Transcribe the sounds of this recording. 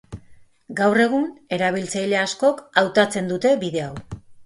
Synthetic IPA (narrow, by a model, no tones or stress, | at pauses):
ɡawre̞ɣ̞une̞ɾaβ̞ilt͡sajle̞asko̞kawt̪at͡se̞nd̪ut̪e̞βiðe̞aw